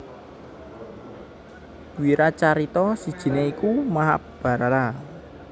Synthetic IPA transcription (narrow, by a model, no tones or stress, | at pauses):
wiɾat͡ʃaɾit̪ɔsid̥ʒ̥i̤neikumaɦap̚b̥a̤ɾaɾa